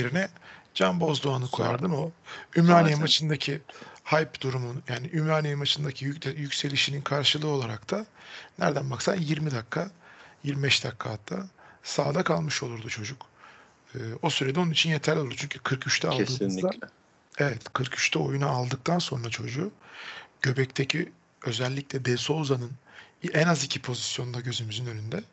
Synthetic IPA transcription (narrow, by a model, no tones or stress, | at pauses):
jeɾinɛd͡ʒanbo̞zd̪oanɯkʰo̞̰ja̰ɾd̪ɯmo̞ymɾaːnʲijimat͡ʃʰɯnd̪acʰihajpd̪̥uɾumunjaːniʔymɾaːnimat͡ʃʰɯnd̪acʰijycʲse̞lʲiʃininkʰaɾʃɯlˠɯːo̞lˠaɾakt̪ʰanæɾd̪ænmaksamjiɾmid̪akʰːajiɾmibɛʃd̪akʰːat̪ʰasaːd̪akʰalˠmɯʃolˠuɾd̪ut͡ʃʰo̞d͡ʒuk | ɯːo̞syɾed̪ɛonunit͡ʃʰinje̞t̪ʰæɾlʲoɾd̪ut͡ʃʰyɲcʰykʰɯɾkʰyʃt̪ʰɛalˠd̪ɯːnd̪a | evɛt̪kʰɯɾkʰy̥ʃt̪ʰɛo̞junaːlˠd̪ɯk̚t̪ʰanso̞nɾat͡ʃʰo̞d͡ʒu | ɟ̥ø̞bɛct̪ʰecʰi | ø̞zɛlʲːiclʲɛb̪ɛso̞zanɯnɛnazicʰipʰo̞zisjonund̪aɟø̞zymyzynø̞nynd̪ɛ